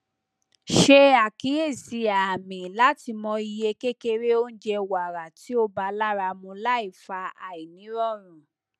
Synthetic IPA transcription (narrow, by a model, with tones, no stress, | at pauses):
ʃe˧a˨ki˨˦e˦˨si˧˦aː˨mĩ˨la˨˦ti˧mɔ̃˧i˧je˧ke˦ke˧ɾe˦o˦n̩˦d͡ʒɛ˧wa˨ɾa˨ti˨˦o˦ba˧la˦ɾa˧mũ˧la˦i˦˨fa˧a˨i˨nĩ˨˦ɾɔ˦˨ɾ̃ũ˨